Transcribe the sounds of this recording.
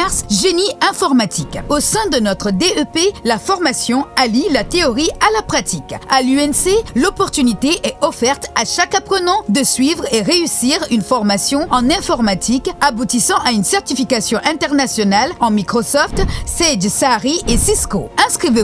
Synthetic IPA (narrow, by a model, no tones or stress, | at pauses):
ɛʁsʒeniɛ̃fɔʁmat̪ʰikosɛ̃d̪ənɔt̪χəd̪eøpelafɔʁmasjɔ̃alilat̪eɔʁialapχat̪ikalyɛnselɔpɔʁt̪ynit̪eʔɛɔfɛʁt̪aʃakapχənɑ̃d̪əsɥivʁeʁeysiʁynfɔʁmasjɔ̃ɑ̃nɛ̃fɔʁmat̪ʰikabut̪isɑ̃ʔaynsɛʁt̪ifikasjɔ̃ʔɛ̃t̪ɛʁnasjɔnalɑ̃mikχɔsɔft̪sɛd̪saʁiesiskoɛ̃skχive